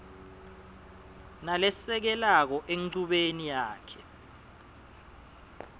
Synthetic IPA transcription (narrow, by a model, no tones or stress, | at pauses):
nalɛsɛk̬ɛlak̬ɔʔeŋǀuɓenijaːkʰɛ